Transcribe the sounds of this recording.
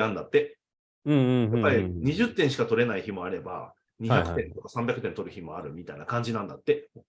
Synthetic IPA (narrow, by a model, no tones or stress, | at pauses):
ãnd̪at̪ːe | ɯ̃ɴjapːaɾʲiɲ̟iʑɨt̪ːẽ̞ɰ̃ɕ̬i̥kat̪o̞ɾe̞naiçimo̞aɾe̞ba̰ | ɲ̟içakɯ̟̥t̪ẽ̞nt̪o̞kasãmbʲakɯ̟t̪ẽnt̪o̞ɾɯ̟çimo̞aɾɯ̟mʲit̪ainakãɲ̟d͡ʑinãnd̪at̪ːe̞